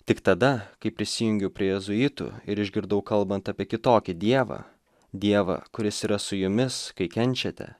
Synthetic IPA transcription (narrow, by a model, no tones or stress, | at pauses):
t̪ʲɪkt̪ɐd̪ɐkɐɪpʲɾʲɪsʲɪjʊŋʲɡʲɛʊpʲɾʲiɛjɛzʊjɪt̪ʊ̰ɪɾɪʒʲɡʲɪɾd̪ɐʊkɐlˠbɐnt̪ɑpʲiɛkʲɪt̪oːkʲɪd̪ʲiɛʋɐ̰ː | d̪ʲiɛʋɐ̰kʊɾʲɪsiːɾɐsʊjʊmʲɪskɐɪkʲɛnʲt͡ʃʲɛt̪ʲɛ̰